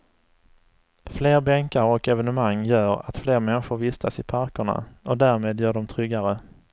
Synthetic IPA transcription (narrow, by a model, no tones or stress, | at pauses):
fleːɾbɛŋkaɾɔkɛvɛnɵmaŋːjœːɾa̰t̪fleːɾmɛnɧʊɾvɪst̪ʰasɪpʰaɾkʊɳa̰ɔd̪æːɾmeːd̪jœːɖɔmt̪ʰɾʏɡaɾə